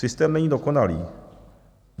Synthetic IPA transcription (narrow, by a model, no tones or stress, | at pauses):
ɨst̪ɛmnɛjd̪ɔkɔnalʲḭ